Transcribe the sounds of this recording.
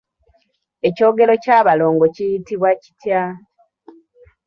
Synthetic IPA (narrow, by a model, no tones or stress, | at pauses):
e̞co̞ːɡe̞lo̞caːβalo̞ːŋɡo̞cijitiβwaci̥tja